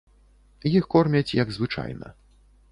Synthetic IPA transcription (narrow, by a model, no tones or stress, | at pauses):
jixkɔrmʲɐt͡sʲjɐɡzvɨt͡ʂa̰jnɐ̰